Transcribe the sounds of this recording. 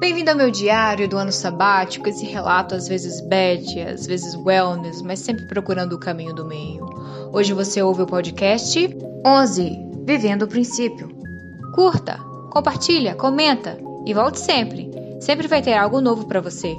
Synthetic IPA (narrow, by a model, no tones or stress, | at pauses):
b̥ẽj̃vĩnd̪ʊawmewd͡ʒiaɾjʊd̪ʊɐ̃nʊsabat͡ʃi̥kʊesɪhelʔat̪ʊazvezɪzbɛt͡ʃɪa̰zvezɪzwɛwnɪsmɐjsːẽmpɾɪpɾokuɾɐ̃nd̪ʊːkamĩɲʊd̪ʊmejʊ | oʒɪvoseowvɪʊpɔd͡ʒɪkɛst͡ʃɪõzɪ | vivẽnd̪ʊːpɾĩsipjʊ | kuɾt̪ɐ̰ | kõpaɾt͡ʃiʎɐkõmẽnt̪ɐ | ɪvɔwt͡ʃ̪ɪ̥sẽmpɾɪ̰ | sẽmpɾɪvajt̪eɾawɡʊnovʊpɾɐvose